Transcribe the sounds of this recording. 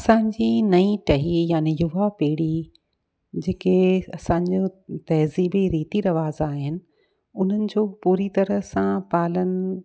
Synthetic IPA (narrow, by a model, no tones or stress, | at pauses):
ɐsãːɲd͡ʑiːnɐĩʈɐɦijaːnijʊʋapeːɽi | d͡ʑeːkeɐsãːɲd͡ʑot̪ɐɦziːbiɾiːt̪iɾɐʋaːzaːɦɪnɪ̆ | ʊn̤ənɪ̆d͡ʑoːpuːɾit̪ɐɾə̆sãpaːlənɪ̆